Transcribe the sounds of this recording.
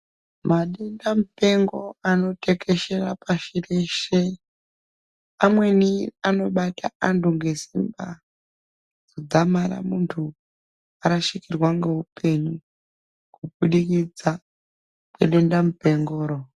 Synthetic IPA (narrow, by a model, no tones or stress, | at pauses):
maɗendamupe̞ŋɡo̞ano̞te̞kʰe̞ʃe̞rapaʃireʃe | amwe̞niano̞ɓatʰaʔantʰuŋɡe̞simba | d͡zod͡zamaɾa̰muntʰu | aɾaʃikirwaŋɡe̞upe̞ɲu | kuɓuɗikid͡za | kwḛɗe̞ndamupe̞ŋɡoːɾo